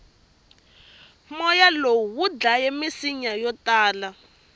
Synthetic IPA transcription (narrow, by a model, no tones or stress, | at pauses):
mɔjalowuwud͡ɮajemisiɲajɔtaːla